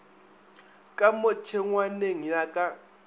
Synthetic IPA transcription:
kʼamotʰɛŋwaneŋ̩jakʼa

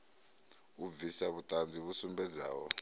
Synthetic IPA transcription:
uvisaβutʼand͡zʱiβusumbɛd͡za̰ːwɔ̰

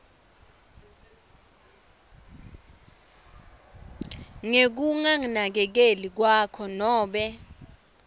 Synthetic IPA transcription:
ŋek̬uŋaŋinak̬ɛk̬elik̬wakʰɔnɔːɓɛ

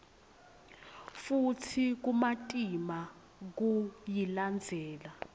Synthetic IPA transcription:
futʰik̬umatʼima | k̬ujiland͡zʱɛːla

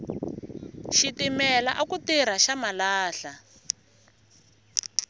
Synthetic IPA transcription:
ʃitimɛlaʔakutiɾ̤aʃamalaːɬa

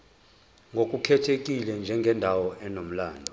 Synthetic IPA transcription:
ŋɡʱok̬ʼukʰɛtʰek̬ʼilɛnd͡ʒʱɛŋɡʱɛndʱawɔɛnom̩laːndʱɔ

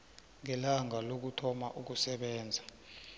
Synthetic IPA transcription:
ŋɛlaŋalok̬utʰɔmaʔuk̬usɛɓɛːnd͡zʱa

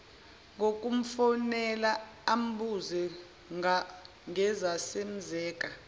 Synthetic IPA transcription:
ŋok̬ʼum̩fɔnɛlaam̩ɓuzɛ | ŋa | ŋɛzasem̩zɛːkʼa

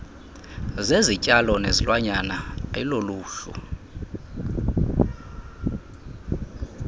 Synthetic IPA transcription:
zezicʼalɔnezilwaɲanailoluːɬṵ

